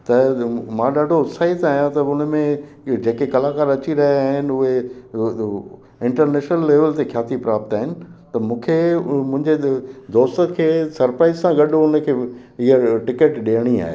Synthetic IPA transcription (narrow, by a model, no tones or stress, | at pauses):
t̪ɐmãɗaːɖʱosaːit̪aːɦjãt̪ɐʊnəmẽ | d͡ʑeːkekɐlaːkaːɾɐt͡ɕiɾɐɦjaːɦɪnɪ̆ʊɦe | ɪ̃ɳʈəɾneːʃnəlːeːʋəlt̪exʰjaːt̪ʰipɾaːp̚t̪aːɦɪnɪ̆t̪ɐmũːkʰemʊ̃ɦɪ̃ɲd͡ʑed̪oːst̪əkʰeːsɐɾpɾaːɪzsãɡɐɗoʊnə̆kʰeː | ɪɦəʈɪkeʈɗeːɽ̃ia̰ːɦḛ